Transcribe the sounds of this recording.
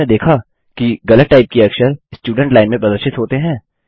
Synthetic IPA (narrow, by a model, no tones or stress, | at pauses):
ed̪eːkʰa | kiɡɐləʈʈaːɪp̚kiɐkʃəɾsʈjuːɖə̃ɳʈlaːɪnmẽpɾɐd̪əʃɪt̪ɦoːt̪eɦɛ̃ː